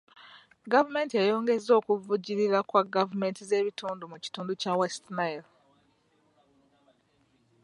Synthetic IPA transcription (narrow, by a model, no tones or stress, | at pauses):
ɡavume̞ːntiejo̞ːŋɡe̞zo̞ːkuvuɟiɾiɾakwaɡavume̞ːntize̞ːβitʰuːndumuci̥tuːnducawestnail